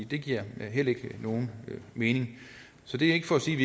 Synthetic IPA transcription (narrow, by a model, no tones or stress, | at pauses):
d̥e̝ɡ̥iɐ̰ɦel̰e̝ɡ̥əno̝ːn̩me̝ːne̝ŋ | sɒ̽d̥e̝e̝ɡ̥əfɒ̽ɒsiːʋi